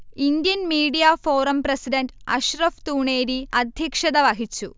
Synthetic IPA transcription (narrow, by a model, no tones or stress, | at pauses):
ind̪jɐnmiːɖijaːfoːɾɐmpɾɐsiɖɐɳʈɐ̰ɕɾɐft̪uːɳeːɾiɐd̪ʱjɐkʂɐd̪ɐʋɐɦit͡ɕːu